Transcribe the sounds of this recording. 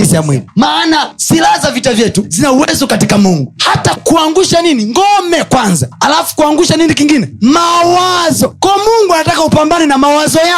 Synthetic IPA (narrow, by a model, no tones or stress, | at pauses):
isijamwɛ̰limaːnasilaazavitavjɛtuzinauwɛzɔkatikamuŋɡuhatakuaŋɡuʃaniniŋɡɔmɛkwanzaalafu̥kuaŋɡuʃaninikiŋɡinɛmawazɔkɔːmuŋɡuanatakaupambanɛnamawazɔja